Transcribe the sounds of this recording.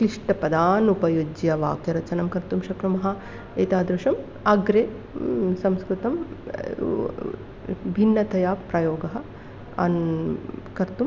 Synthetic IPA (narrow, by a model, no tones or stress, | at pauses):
kliʂʈɐpɐd̪aːnupɐjod͡ʒjɐʋa̰ːkjɐɾɐt͡ʃɐnɐmkɐɾt̪umʃɐkɾɐmɐɦɐ | eːt̪aːd̪ɾuʃɐm | ɐɡɾeː | sɐmskɾut̪ɐm | bʱinːɐt̪ʰɐjaːpɾɐjoːɡɐɦɐ̆ | ɐ̰n | kɐɾt̪um